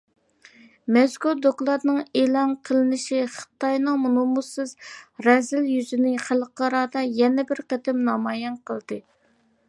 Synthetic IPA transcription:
mɛskuɾd̪oklˠɑɾnɨŋelˠɑnqʰəlˠɨnɪʃiχə̥t̪ɑjnɨŋmunumusɨzɾɛzɪljyzɪnɪχælˠqɑɾɑːd̪ɑjɛnɪbɪɾqət̪ɪmnɑmɑːjɛnqəlˠd̪̥ɨ

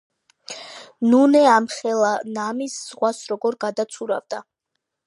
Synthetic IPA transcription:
nunɛamχɛlˠanamisz̥ʁwasɾɔɡɔɾɡad̪at̪sʰuɾa̰vd̪a

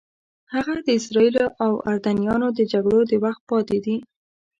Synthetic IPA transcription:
haɣad̪əɪsɾɑiloʔawaɾd̪anijɑnod̪əd͡ʒaɡɽod̪əwaxt̪̚pɑt̪ed̪i

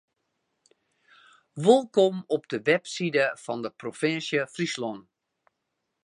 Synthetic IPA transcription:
ʋɪlˠkomɔb̚dəʋɛpsidəfɑndəprofɪnsjəfrislɔn

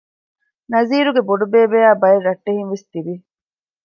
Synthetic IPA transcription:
nɐziːɾuɡeboɖubeːbeːaːbɐeɾɐʈːeɦinʋest̪ibi

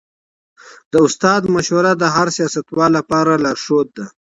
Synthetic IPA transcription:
d̪əʊst̪ɑːd̪maʃwaɾad̪əɦaɾsijɑsat̪wɑːlːapɑːɾalaɾʂot̪̚d̪a

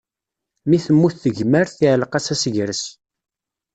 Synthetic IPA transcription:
miθəmːuθθəʝməɾθiʕlqæsæsəʝɾəs

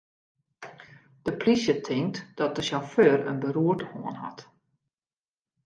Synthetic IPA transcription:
d̥əplisjətʰɪŋk̚td̥ɔt̚d̥əʃɔføːrə̰nbəruətəho̰ːənɦɔ̰t

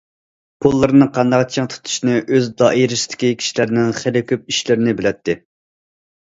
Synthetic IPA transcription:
pʰolˠːɨɾɨnɨqʰɑnd̪ɑqt͡ʃʰɪŋt̪ʰu̥t̪ʰu̥ʃnɨʔøzd̪ɑʔiɾɪst̪ɪ̥kʲikʲʰi̥ʃilɪɾɪnɪŋχelɪkʲʰyp̚iʃlɪɾɪnɪbɪlɛt̪ʰːɪ

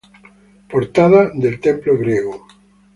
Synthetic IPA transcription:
poɾt̪aðad̪elt̪emploɣɾjeɣo

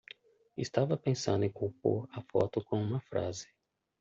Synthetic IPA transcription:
ɪst̪avɐpẽsɐ̃nd̪ʊẽkuwpo̰ɾɐfɔ̰t̪ʊkõũmɐfɾa̰zɪ̥

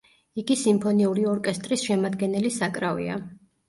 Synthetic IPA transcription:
iɡisimpʰɔniuɾiɔɾkʼɛst̪ʼɾisʃɛmad̪ɡɛnɛlisakʼɾavḭa̰

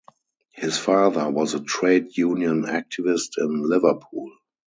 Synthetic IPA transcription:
hɪsfaːðə˞wɔzətʰɹeɪdjũːnjə̃næk̚tʰɪvɪstɪ̃nlɪvəpʰuːl

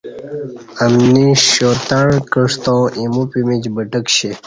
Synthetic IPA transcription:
əmniɕot̪aɳ̃kəʂt̪õːʔimupimit͡ɕbəʈəkɕe

